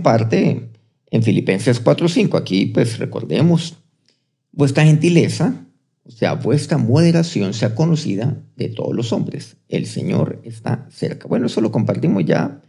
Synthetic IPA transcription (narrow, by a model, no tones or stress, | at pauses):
paɾt̪e | eɱfilipe̞nseskwat̪ɾosiŋkoakipwesre̞̰ko̞̰ɾðe̞̰mos | bwe̞st̪ɾaxe̞nt̪ile̞sa | osea̰bwest̪ɾamo̞ð̞e̞ɾasjo̞nseako̞no̞sḭðaðe̞t̪o̞̰ð̞ozlo̞so̞mbɾe̞s | e̞̰lse̞̰ɲo̞̰ɾest̪a̰se̞̰ɾkabwe̞noeso̞lo̞ko̞mpaɾt̪imozʝa̰